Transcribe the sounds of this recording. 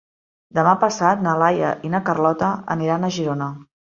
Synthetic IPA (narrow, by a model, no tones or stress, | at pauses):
d̪əmapəsat̪̚nəlajə̰ʔinəkərlɔt̪əə̰niɾanəʒiɾonə